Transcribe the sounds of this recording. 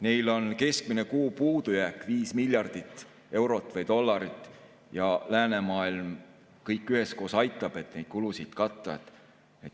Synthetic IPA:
nejlo̞nke̞skmine̞kuːpuːd̪ujæːkːˑviːsmilʲjɑrd̪̥it̪ːˑ | e̞wɾo̞t̪ːˑvɑjd̪o̞lːɑɾit̪ˑː | jɑlæːne̞mɑːilm | kɤjkːyɦe̞sko̞ːsɑjt̪ːˑɑb̥e̞t̪ːˑne̞jd̪̥kulusid̪̥kɑt̪ˑːɑt̪ | et̪

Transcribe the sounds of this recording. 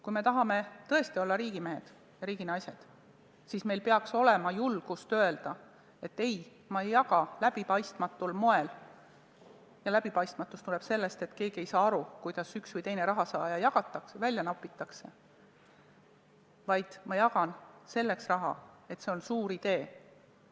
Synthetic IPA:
kujme̞t̪ɑɦɑme̞t̪ɤ̞e̞st̪io̞lːɑɾiːɡime̞ɦe̞̰d̪̥ | jɑɾiːɡ̥inɑjse̞d̪̥ | sisme̞jlpeɑkso̞le̞mɑjulɡ̥ust̪ø̞e̞ld̪̥ɑ | e̞t̪ːe̞j | mɑejːɑɡɑlæb̥ipɑjst̪mɑt̪ːˑulmo̞e̞l | jɑlæbipɑjst̪mɑt̪ːˑust̪ule̞b̥se̞lːe̞st̪e̞t̪ke̞ːɡ̥ie̞jsɑːɑɾukujd̪̥ɑsyksvɯjt̪e̞jne̞ɾɑɦɑsɑːjɑjɑɡ̥ɑt̪ːˑɑksevælʲjɑnɑpːˑit̪ːˑɑkse̞ | vɑjd̪̥mɑjɑɡɑnse̞lːe̞ksrɑɦɑ̰e̞t̪se̞o̞nsuːɾid̪̥e̞ː

